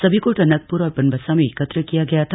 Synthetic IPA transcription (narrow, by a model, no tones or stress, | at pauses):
səbʱikoʈənək̚puɾɔːɾpənbʱəsameekət̪ɾəkijaɡɐjat̪ʰ